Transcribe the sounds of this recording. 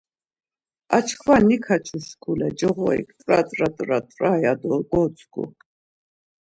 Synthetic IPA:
at͡ʃʰkʰvanikʰat͡ʃʰuskʰulɛd͡ʒɔʁɔḭkʰt̪ʼɾat̪ʼɾat̪ʼɾat̪ʼrajad̪ɔɡɔt͡sʼɡʰṵ

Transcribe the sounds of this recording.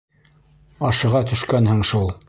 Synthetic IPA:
ɑʃɤ̆ʁɑt̪ɵ̆ʃkænhɘɴʃulˠ

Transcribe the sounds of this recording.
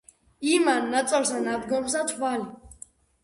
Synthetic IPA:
imanːat̪t͡s̪ʼɔlsanad̪ɡɔms̬at̪ʰvali

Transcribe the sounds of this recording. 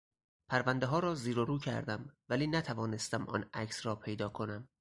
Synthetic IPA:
pʰæɾvænd̪eɦɒːɾɒːziːɾoɾuːcʰæ̰ɾd̪æmvæliːnæt̪ʰævɒːne̞st̪æmɒ̰ːnæ̰cʰsrɒːpʰe̞jd̪ɒːkʰo̞næm

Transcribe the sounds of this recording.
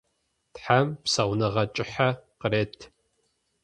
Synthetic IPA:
tħampsɐwʷnɐʁɐt͡ʃʼɪħaqəɾeːtʰ

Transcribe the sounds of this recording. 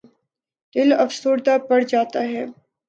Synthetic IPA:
d̪̥ɪlɐfsoːɾd̪apɐɽd͡ʒaːt̪aɦɛː

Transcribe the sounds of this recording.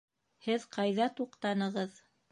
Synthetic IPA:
hɘðqʰɑjðɑt̪uqt̪ɑnɤ̆ʁɤð

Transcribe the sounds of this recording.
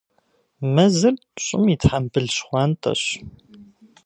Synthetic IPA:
mɐzɨr | ɕʼɪ̰mitħambɨɮɕχʷɑːnt̪ʼɐ̰ɕ

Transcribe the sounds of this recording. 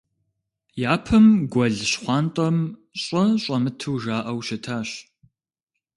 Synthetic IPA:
jaːpʰɨmɡʷɐɮɕχʷɑːntʼɐmɕʼɔɕʼɐmɨtʰɨwʒaːʔɐwʃɐtʰaːɕ

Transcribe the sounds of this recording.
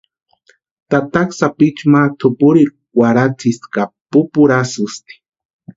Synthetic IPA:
t̪at̪aksapit͡ʃmaɾt̪ʰʊpʊɾiɾ | waɾat͡sʰiskapʊpʊɾasʊst̪i̥

